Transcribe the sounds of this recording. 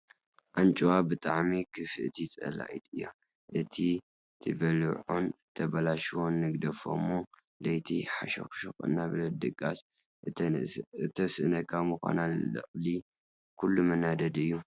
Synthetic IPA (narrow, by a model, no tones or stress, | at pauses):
ʔant͡ʃʼuwabɨt̪ʼaʕmikʰɨfɨʔt̪ʰit͡sʼɐ̰la̰ʔit̪ɨjːo̰ | ʔɨt̪ʰi | t̪ʰɨbɐlɨʕont̪ʰɐβɐlaʃwo̞nːɨɡd̪ɐfo̰mu | lɐjt̪ʰiħaʃo̰xʃoxɨ̰nːablɐd̪ɨɡʼas | ɨt̪ʰɐsɨɨnɐkʰamɨxʷa̰nalːɨ̰χʼli | kʰulːumɨnad̪ɐd̪ɨjːu